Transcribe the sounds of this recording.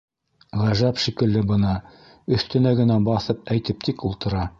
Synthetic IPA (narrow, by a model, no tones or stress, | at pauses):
ʁæʒæpʃikɘ̆lːɘbɤ̆nɑ | ɵ̆θt̪ɵ̆næɡɘ̆næbɑθɤp̚æjt̪ɘp̚t̪ikulˠt̪ɤ̆ɾɑ